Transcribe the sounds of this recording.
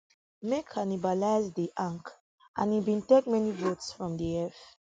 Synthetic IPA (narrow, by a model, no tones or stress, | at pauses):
mekʰanibalaɪzdiʔãŋk | ʔã̰nibĩntek̚mɛnivotsfɹɔ̃mdiɛf